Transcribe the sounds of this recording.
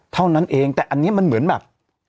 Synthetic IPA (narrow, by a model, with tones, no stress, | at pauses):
t̪ʰa˥˩wna˦˥˨nʔeː˧ŋt̪ɛː˨˩ʔa˧nːi˦˥˨ma˧nmɯ˩˦nbɛː˨˩p̚